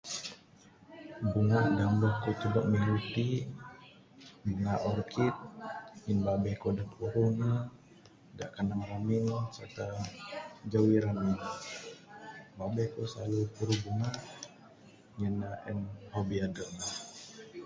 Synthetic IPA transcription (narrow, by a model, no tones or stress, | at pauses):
buŋaʔdambɔhkut̪udəʔ̚miŋupi | buŋaʔɔrkʰit̪̚ɲinbabɛhkodaʔpuɾuna | daʔkanamɾaminsart̪a | d͡ʒawiɾamin | babɛhkosalupuɾubuŋaʔ | ɲənaʔɛnhobiadəʔna